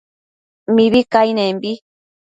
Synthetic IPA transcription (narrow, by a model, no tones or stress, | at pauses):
miβikainembi